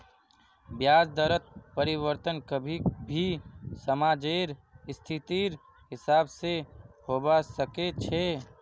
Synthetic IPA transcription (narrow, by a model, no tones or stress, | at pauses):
bjad͡ʒd̪əɾət̪̚pəɾiβəɾt̪ənkəbʱibʱisəmad͡ʒeɾst̪ʰit̪iɾ | ɦɪsaːbsehobasəket͡ʃʰe